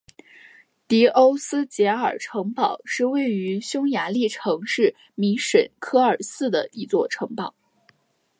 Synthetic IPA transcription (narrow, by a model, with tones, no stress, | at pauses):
t̪i˧˥ʔo˥ʊsɹ̩˥t͡ɕjɛ˧˥ə˞˨˩ʈ͡ʂʰɤ˧˥ŋpɑ˨˩˦ʊʂɻ̩˥˧we˥˩ɪy˧˥ɕjʊ˥ŋja˧˥li˥˩ʈ͡ʂʰɤ˧˥ŋʂɻ̩˥˩ | mi˧˥ʂə˨˩nkʰɤ˥ə˞˨˩sɹ̩˥d̪ə̰˩i˧˥t͡swɔ˥˩ʈ͡ʂʰɤ˧˥ŋpɑ˨˩˦ʊ